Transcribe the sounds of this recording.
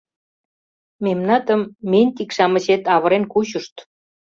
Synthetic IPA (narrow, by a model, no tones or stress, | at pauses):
memnɑt̪ə̆mːenʲt̪ikʃɑmə̆ɕet̪ɑβə̆ɾenkuɕuʃt̪